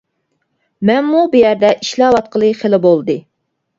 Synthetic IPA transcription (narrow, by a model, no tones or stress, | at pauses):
mɛnmubɪjɛɾd̪ɛʔiʃlɑːwɑt̪̚qəlˠɨχelɪbolˠd̪ɨ